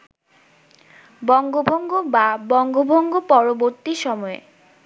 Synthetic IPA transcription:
bɔŋɡobʱɔŋɡobabɔŋɡobʱɔŋɡopɔɹoboɾt̪ːiʃɔmɔḛ

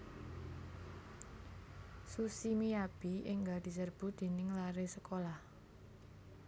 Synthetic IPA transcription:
susimiab̥iɪŋɡad̪̥i̤sərb̥ṳd̪̥e̤nɪŋlaɾesəkolah

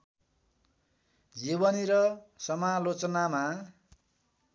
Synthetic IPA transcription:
d͡zibʌniɾʌsʌmalot͡sʌnama

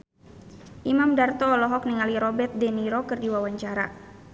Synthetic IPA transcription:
ʔimamdart̪ɔːlɔɦɔk̚niŋaliɾɔbɛrt̪̚dɛniɾɔkɨrdiwawaɲt͡ʃaɾa̰

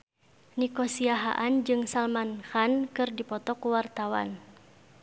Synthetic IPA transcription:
nikosiaɦa̰ʔand͡ʒɨŋsalmanxankɨrdipɔt̪ɔkuwart̪awa̰n

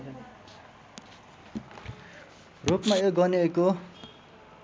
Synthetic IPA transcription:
rupmajoɡʌneeko

